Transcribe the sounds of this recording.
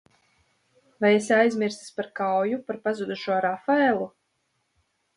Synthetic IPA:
vajesʲajzʲmʲiɾsi̥sʲpaɾkawjupaɾpazud̪uʃuɔɾafaɛlˠu

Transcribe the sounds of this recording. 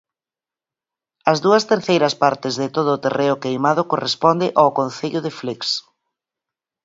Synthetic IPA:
ɐzðuɐst̪eɾθejɾɐspaɾt̪ɪzðɪt̪oð̞ʊːt̪ereʊkejmað̞ʊkorespɔnd̪ɪʔawkõnθeʎʊðɪfliks

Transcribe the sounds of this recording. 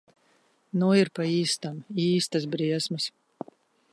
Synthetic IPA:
nɔɪɾpɐiːst̪amiiːst̪ɐs̬bɾʲiɛsmɐs

